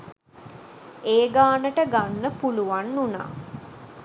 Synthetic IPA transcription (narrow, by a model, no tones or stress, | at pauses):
eːɡaːnəʈəɡanːəpuluʋanːuna̰ː